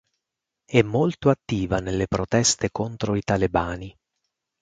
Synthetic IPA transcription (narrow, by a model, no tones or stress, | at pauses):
ɛmːolt̪oat̪ːiːvanelːepɾot̪ɛst̪ekont̪ɾoit̪alebaːni